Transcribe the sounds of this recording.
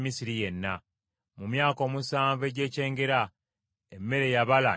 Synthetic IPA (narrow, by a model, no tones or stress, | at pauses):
misiɾije̞nːa | mumjaːko̞ːmusaːɱve̞ːɟe̞ːce̞ːŋɡe̞ɾa | emːe̞ɾe̞jaβala̰